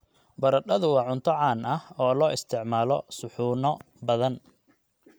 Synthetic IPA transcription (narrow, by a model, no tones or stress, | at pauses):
bɐɾɐɗɐðʊwɑːʕʊnt̪ʰɔʕɑːnɐhɔːlɔːʔɪst̪ʰɪʕmaːlɔ̰sʊħuːnɔ | bɐðɐn